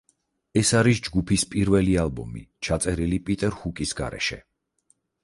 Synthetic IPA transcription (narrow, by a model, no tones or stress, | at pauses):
ɛsaɾisd͡ʒɡupʰispʼiɾvɛlialˠbɔmḭt͡ʃʰat̪sʼɛɾilipʼit̪ʼɛɾhukʼisɡa̰ɾɛ̰ʃɛ̰